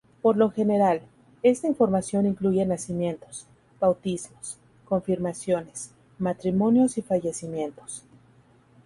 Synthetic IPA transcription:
po̞ɾlo̞xe̞ne̞ɾal | e̞st̪aiɱfo̞ɾmasjo̞niŋkluʝe̞nasimjẽ̞nt̪o̞̥s | b̥awt̪izmo̞s | ko̞ɱfiɾmasjo̞ne̞s | mat̪ɾimõ̞njo̞sifaʝe̞simjẽ̞nt̪o̞̥s

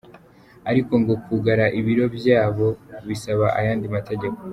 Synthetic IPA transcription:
aɾiko̞ŋɡo̞kuɡaɾaʔiβiɾo̞bjaːβo̞βisaβaʔajaːndimate̞ɟe̞ko̥

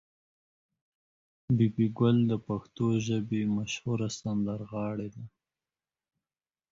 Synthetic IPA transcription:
bibiɡʊld̪əpaxt̪oʒəbemaʃhuɾasand̪aɾɣɑːɽed̪a

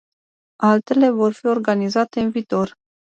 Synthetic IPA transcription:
alt̪e̞le̞vo̞rfio̞rɡanizat̪e̞ɨnviːt̪o̞r

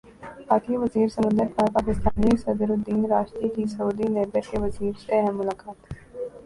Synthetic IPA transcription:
paːkiʋɐziːɾsɐmə̃nd̪əɾpʰaːɾpaːkɪst̪aːnisɐd̪əɾod̪iːnɾaːʃt̪ikisɐuːd̪ineːbəɾkeʋɐziːɾseɦɛmːʊlaːkaːt̪

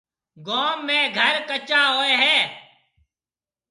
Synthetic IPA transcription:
ɡoːmːẽːɡʱəɾkət͡ʃaːɦoːeːɦɛː

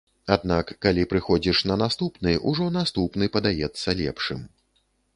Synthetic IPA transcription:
ad̪nakːalʲipɾɨxɔd͡zʲiʂnɐnast̪upnɨjʔuʐɔnast̪upnɨpɐd̪ajɛt̪sːɐlʲɛ̰pʂɨm

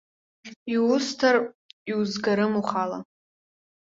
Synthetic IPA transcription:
iʊstʰariwzɡaɾɨmuχala

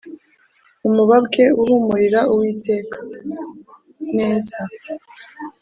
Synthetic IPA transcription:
umuβabke̞uɾuːmuɾiɾauwiːte̞ːkʰḁ | neːza

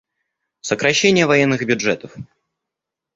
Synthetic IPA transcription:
səkɾɐɕːenʲɪjəvɐjɛnːɨɣbʲʊdʐɛt̪əf

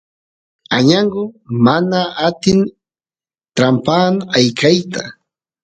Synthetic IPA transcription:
aɲaɴɢʊmanaːt̪ɪn | t̪ɾampaːnajkajt̪a

